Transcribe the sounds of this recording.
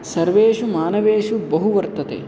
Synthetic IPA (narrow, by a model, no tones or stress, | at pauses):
sɐɾʋeːʃumaːnɐʋeːʃubɐɦuʋɐɾt̪ɐt̪ḛː